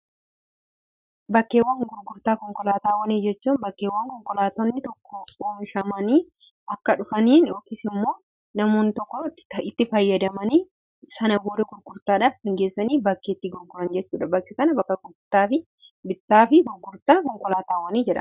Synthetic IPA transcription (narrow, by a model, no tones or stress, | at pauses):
bɐkːeːwːɐŋɡʊɾɡʊɾt̪aːkɔŋkɔlaːt̪aːwɐniːd͡ʒɛt͡ʃːuːnbɐkːeːwːɐŋkɔŋkɔlaːt̪ɔnːɪt̪ɔkʰːɔoːnʃɐmɐniː | ʔɐkːɐᶑʊfɐniːnoːkeːsɪmːo̞ː | nɐmoːnɪt̪ɔkːɔt̪ːɪt̪ːɪfɐjːɐd̪ɐmɐniː | sɐnɐboːd̪ɛɡʊɾɡʊɾt̪aːᶑaːfhɐŋɡeːsːɐniːbɐkːeːt̪ːɪɡʊɾɡʊɾɐnd͡ʒɛt͡ʃːuːᶑɐbɐkːɛsɐnɐbɐkːɐkʊt̪ːaːfɪ | bɪt̪ːaːfɪɡʊɾɡʊɾt̪aːkɔŋkɔlaːt̪aːwɐniːd͡ʒɛᶑɐ̰